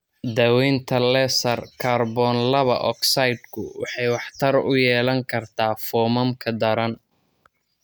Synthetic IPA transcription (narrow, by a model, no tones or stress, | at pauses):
d̪ɐwɛjnt̪ʰɐlɛsɐrkʰaːrbɔːnlɐβɐʔɔ̰ksɐjd̪̚kʰʊwɑ̰ħɑjwɑħt̪ʰɐrʊjɛːlɐŋkʰɐrt̪ʰaːfɔːmɐmkʰɐd̪ɐɾɐn